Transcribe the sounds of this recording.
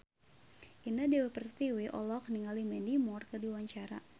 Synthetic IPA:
ʔinadiwɛpərt̪iwiʔɔ̰lɔkniŋalimɛndimɔrkərdiwaɲt͡ʃaɾa̰

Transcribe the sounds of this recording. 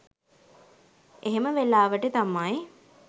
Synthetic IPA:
eɦeməʋelaːʋəʈət̪amaj

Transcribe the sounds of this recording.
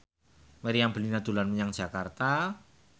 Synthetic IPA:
məɾiambəlinad̪̥ṳlanməɲaŋ̥d͡ʒ̥a̤kart̪a

